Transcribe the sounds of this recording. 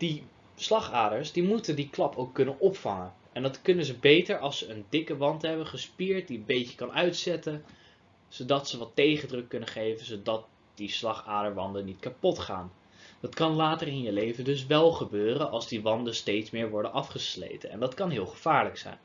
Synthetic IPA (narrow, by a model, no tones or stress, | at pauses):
d̥i | slɑχaːdəɹsdimutəndiklɑpowkːɵnənɔpfɑŋən | ɛndɑtkɵnəzəbejtəɹɑlˠsəəndɪkəʋɑntɦɛbəχəspiːɹt̚diənbejcə̥kɑnœɥtsɛtən | z̥odɑtsəʋɑtːejχəndrɵkːɵnəχejvənzodɑt̚ | d̥islɑχaːdəɹʋɑndənːitkapɔtχa̰ːn | dɑtkɑnlaːtəɹɪnjəlejvəndɵs̬ʋɛlˠχəbøːrənʔɑlˠzdiʋɑndənstejtsmɪːɹʋɔɹdənʔɑfχəslḛjtənɛ̰ndɑtkɑnɦɪːlˠχəv̥aːɹləksɛ̰jn